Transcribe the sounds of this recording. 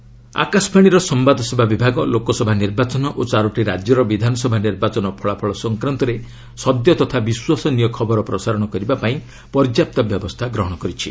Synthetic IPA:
a̰kasbaɽ̃iɾɔsɔmbad̪ʱɔsibʱabibʱaɡɔlokɔsɔbʱaniɾbat͡ʃɔnɔʔot͡ʃaɾuʈiɾad͡ʒjɔɾɔbid̪ʱanɔsɔbʱaniɾbat͡ʃɔnɔpʰɔɭapʰɔɭɔsɔŋkɾant̪ɔɾe | sɔd̪jɔt̪ɔt̪ʰabiswasɔnijɔkʰɔbɔɾɔpɾɔsaɾɔɽ̃ɔkɔɾibapaĩ | pɔɾd͡ʒjap̚t̪ɔbjɔbɔst̪ʰaɡɾɔɦɔɽ̃ɔkɔɾit͡ʃʰḭ

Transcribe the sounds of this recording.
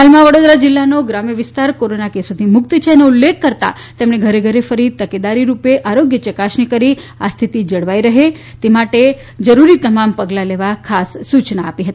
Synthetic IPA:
ɦalmãʋəɽod̪ɾad͡ʒɪlːanoɡɾamjəʋɪst̪aɾkoɾonakesot̪ʰimʊk̚t̪t͡ʃʰeneulːekːəɾt̪a̰ | t̪emɳeɡʱəɾeɡʱəɾefəɾit̪əked̪aɾiɾupeʔaɾoɡjət͡ʃəkasnikəɾi | a̰st̪ʰit̪id͡ʒəɽʋaiɾəɦe | t̪emaʈe | d͡ʒəɾuɾit̪əmampəɡlaleʋakʰasːut͡ʃnaːpiɦət̪i̥

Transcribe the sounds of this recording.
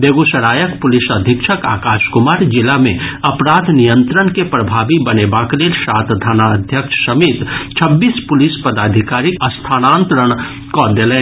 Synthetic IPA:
b̪eɡusəɾaːjəkpʊlisəd̪ʱikʃʰəka̰ːkaʃkumaːɾd͡ʒɪlamẽəpɾad̪nijənt̪ɾənkepɾəbʱabibənebaklelsat̪d̪ʱanaəd̪ʱjəkʃʰsəmiːt̪t͡ʃʰəbːiːspʊlispəd̪aːd̪ʱikaɾikəst̪ʰaːnãnt̪ɾəɽ̃ | kɔd̪elɛn

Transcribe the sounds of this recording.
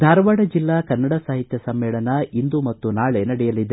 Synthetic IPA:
d̪ʱaːɾʋaɽɐd͡ʒilːaːkɐnːɐɽɐsaːɦit̪jɐsɐmːɛːɭɐnɐind̪umɐt̪ːunaːɭenɐɽɛjɐlid̪e

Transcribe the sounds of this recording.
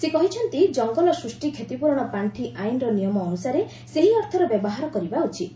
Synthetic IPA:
sekɔɦit͡ʃʰɔnt̪id͡ʒɔŋɡɔlɔsɾusʈikʰet̪ipuɾɔɽ̃ɔpaɳʈʰiʔajnɾɔnijɔmɔːnusaɾe | seɦiɔɾt̪ʰɔɾɔbjɔbɔɦaɾɔkɔɾibaut͡ʃʰi

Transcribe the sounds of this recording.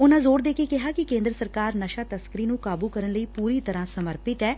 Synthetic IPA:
ʊnãːzoːɾd̪eːkeːkɪɦaːkɪkẽːnd̪ɾəsəɾkaːɾnəʃaːt̪əskəɾiːnũːkaːbuːkəɾənləiːpuːɾiːt̪əɾãːsəməɾpɪt̪ɦɛː

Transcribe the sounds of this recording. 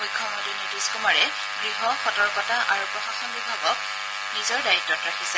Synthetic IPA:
ojkʰːɔmodinjudiskumaɹɛ | ɡ̥ɹiɦɔxɔtɔɹkɔtaʔaɹupɹɔxaxɔnbibʱaɡɔk̚ | nizɔɹdaitːɔtɹakʰisɛ

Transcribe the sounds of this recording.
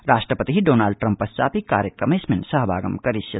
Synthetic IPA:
ɾaːsʈɾəpət̪iɦiɖoːnaːlɖ̚ʈɾɐ̃mpːɐst͡ʃa̰ːp̪ika̰ːɾjəkɐmesmẽnsɐɦbʱaːɡɐ̰mkɐɾɪsjɐ

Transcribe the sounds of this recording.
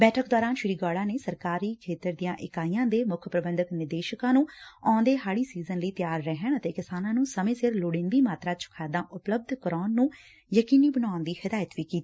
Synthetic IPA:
bɛːʈʰəkd̪ɔːɾaːnʃɪɾiːɡaːɽãːneːsəɾkaːɾiːkʰeːt̪əɾd̪ijãːʔɪkaːijãːd̪eːmʊkʰpɾəbənd̪əknɪɾd̪eːʃəkãːnũːɔ̃ːnd̪eːɦaːɽiːsiːzənləiːt̪jaːɾːɛɦəɳət̪eːkɪsaːnãːnũːsəmẽːsɪɾloːɽɪ̃nd̪iːmaːt̪ɾaːt͡ʃʰʊ̥kʰaːd̪ãːʔʊpləb̚d̪ʱkəɾaːnːũː | jəkiːniːbənaːnd̪iːhɪd̪aːjət̪ʋiːkiːt̪iː

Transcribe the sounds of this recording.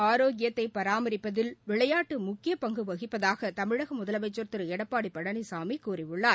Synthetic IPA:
aːɾoːɡɪjɐt̪ːɐɪpɐɾaːmɐɾɪpːɐðɪlʋɪɭɐjaːʈːɯmʊkːɪjɐpɐŋɡɯʋɐɣɪpːɐðaːɣɐt̪ɐmɪɻɐɣɐmʊðɐlɐʋɐɪt͡ʃːɔɾt̪ɯɾɯɛɽɐpːaːɽipːɐɽɐnisaːmikːuːrɪʋɯɭːaːɾ

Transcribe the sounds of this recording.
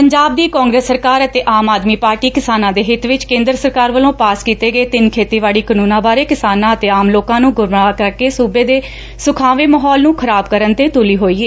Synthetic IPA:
pəɲd͡ʒaːb̚d̪iːkɔ̃ːŋɡɾeːsːəɾkaːɾət̪eːʔaːmaːd̪miːpaːɾʈiːkɪsaːnãːd̪eːɦɪt̪ʋɪt͡ʃkẽːnd̪ɾəsəɾkaːɾʋəlõːpaːskiːt̪eːɡəeːt̪ɪnkʰeːt̪iːʋaːɽiːkənũːnãːbaːɾeːkɪsaːnãːət̪eːaːmloːkãːnũːɡʊmɳaːkəɾkeːsuːbeːd̪eː | sʊkʰaːʋeːməɦɔːlnũːkʰəɾaːbkəɾənt̪eːt̪ʊliːɦoːiːeː

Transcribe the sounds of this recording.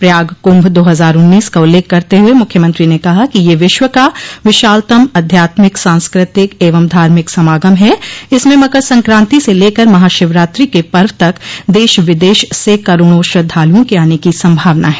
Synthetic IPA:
pɾɐjaːɡkʊ̃mbʱd̪oːɦɐzaːɾʊnːiːskaʊlːeːkːɐɾt̪eɦʊemʊkʰjəmɐ̃nt̪ɾinekɐɦakijeʋɪʃwəkaʋɪʃaːlt̪əmɐd̪ʱjaːt̪mɪksãːnskɾɪt̪ɪkeːʋəmd̪ʱaːɾmɪksɐmaːɡəmɦɛɪsmẽmɐɡəɾsɐ̃ŋkɾãːnt̪iseleːkəɾmɐɦaːʃɪʋɾaːt̪ɾikepɐɾʋət̪ɐkd̪eːʃʋɪd̪eːʃsekɐɾoːɽ̃oːʃɾɐd̪ʱːaːlijõkeaːnekisɐ̃mbʱaːʋnaɦɛ̥ː

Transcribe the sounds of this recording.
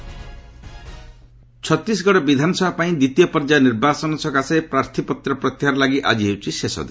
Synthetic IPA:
t͡ʃʰɔt̪ɾis̬ɡɔɽɔbid̪ʱanɔsɔbʱapaĩd̪it̪ijɔpɔɾd͡ʒaniɾbasɔnɔsɔkasaepɾaɾt̪ʰipɔt̪ɾɔpɾɔt̪jaɾɔlaɡiʔa̰d͡ʒiɦewt͡ʃʰisesɔ̰d̪e

